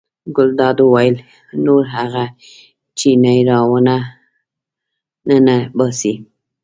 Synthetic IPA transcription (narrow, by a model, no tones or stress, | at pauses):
ɡʊld̪ɑd̪owɑjəl | noɾɦaɣa | t͡ʃinajɾɑwəna | nənabɑsi